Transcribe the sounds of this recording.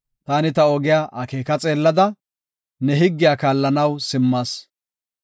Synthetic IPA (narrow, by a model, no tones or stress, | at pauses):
t̪aːnɪt̪ɐɔɡɪjaːʔɐkeːkɐt͡sʼe̞ːlːɐd̪ɐ | nɛɦɪɡːɪjaːkaːlːɐnɐwsɪmːɐs